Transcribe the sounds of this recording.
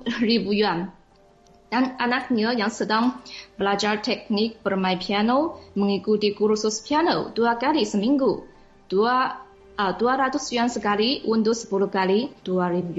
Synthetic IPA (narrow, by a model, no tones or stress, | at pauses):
ribujuan | d̥ananak̚ɲəjaŋsədaŋbəlad͡ʒart̪ɛk̚nɪk̚bərmãjpʰianoməŋikudikuɾususpianoduakalisəmiŋɡu | da | duaɾat̪ʊsjuansəkaliʔundʊsə̥pulukalid̥uaɾibu